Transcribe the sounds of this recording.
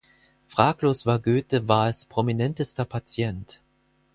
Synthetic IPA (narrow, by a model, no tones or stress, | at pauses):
fʁ̥aːkloːsv̥aːɐɡøːtəvaːɐalspʁ̥ominɛntəstɐpʰat͡sjɛnt